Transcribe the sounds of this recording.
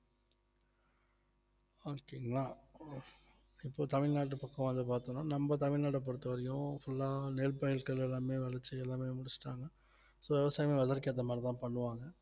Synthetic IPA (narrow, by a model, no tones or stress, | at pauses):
okeŋɡɐɭaː | ɪpːoːt̪ɐmɪɻnaːʈ̬ːɯpɐkːɐ̃ʋɐnd̪ɯpaːɾt̪õnːaːnɐmbɐt̪ɐmɪɻnaːʈ̬ɐp̬ːɔɽɯt̪ːɯʋɐɾɐjʊ̃fʊlːaːneːlpɐɪlkɐɭɛlːaːmeːʋɐɭɐt͡ʃːɯɛlːaːmeːmʊɽɪt͡ʃːɯ̥ʈːaːŋɡɐ | soːʋɛʋɐsaːjmeːʋɐðɐɾkɪɐðɐmaːɾit̪ãːpɐɳːɯʋaːŋɡɐ